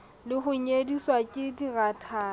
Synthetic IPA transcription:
lɪχʊɲediswakʼɪdiɣatʰaː

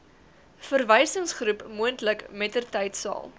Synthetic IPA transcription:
fərvɛjsəŋsχrupmuəntləkmɛtərtɐjtsɑ̰ːlˠ

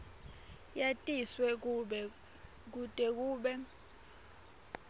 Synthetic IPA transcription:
jatʼiswɛ | k̬utʼɛk̬ʼuːɓɛ

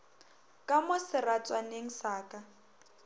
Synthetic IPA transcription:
kʼamʊsɪrat͡sʼwaneŋ̩saːkʼa

